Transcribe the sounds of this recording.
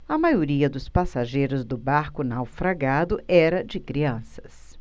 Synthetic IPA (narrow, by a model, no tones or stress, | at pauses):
ɐmajoɾiɐd̪ʊspasaʒejɾʊzd̪ʊbaɾkʊnawfɾaɡad̪ʊʔɛɾɐd͡ʒɪkɾiɐ̃sɐ̥s